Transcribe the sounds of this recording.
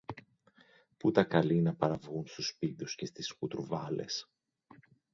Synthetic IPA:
put̪ɐkɐlinɐpɐɾɐvɣunst̪uspiðusce̞st̪iskut̪uɾvɐle̞̰s

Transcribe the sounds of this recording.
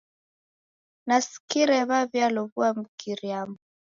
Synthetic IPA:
nasi̥kiɾɛβaβjalɔβuam̩kiɾiamɔ

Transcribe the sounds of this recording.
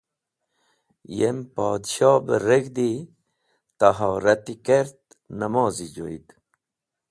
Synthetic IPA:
jempɑːd̪ɕɑːbəɾeɡd̪i | t̪aɦaːɾɐt̪ikeɾt̪ | nɐmɑːzid͡ʑo̰id̪

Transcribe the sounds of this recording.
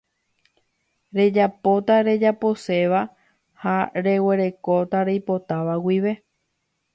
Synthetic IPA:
ɾe̞d͡ʒapo̞t̪aɾe̞d͡ʒapo̞se̞ʋa | haɾe̞we̞ɾe̞ko̞t̪aɾejpo̞t̪aʋawiʋe̞

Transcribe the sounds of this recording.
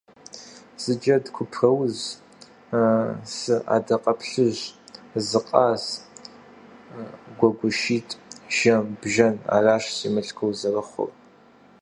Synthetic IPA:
z̥ɨd͡ʒɐdkʷʰʊpʰrɐwz | sɨʔa̰ːdɐqʼɐpʰɬɨʑzɨqʼaːz | ɡʷɔɡʷʊʃiːtʼʒ̥ɐmbʒɐna̰ːraːʃsimɨɬkʰɨwzɐrɐχʷʊ̰r

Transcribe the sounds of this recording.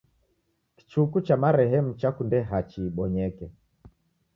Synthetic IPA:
ki̥t͡ʃukut͡ʃamaɾɛɦɛmut͡ʃakundɛɦat͡ʃiːɓɔɲɛkɛ

